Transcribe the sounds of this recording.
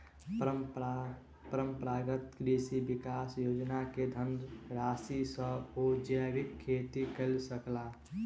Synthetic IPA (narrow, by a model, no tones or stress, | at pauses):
pə | pəɾəmpɾaɡət̪kɾisibikasjoːd͡ʒnaked̪ʱənd̪ɾasisə̃od͡ʒabikʰːet̪ikəlsəkla